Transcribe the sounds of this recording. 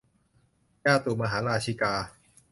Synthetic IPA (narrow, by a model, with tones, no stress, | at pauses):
kaː˥˩t̪uː˨˩ma˧ɦaː˩˦˥ɾaː˧t͡ɕʰi˧˩kaː˧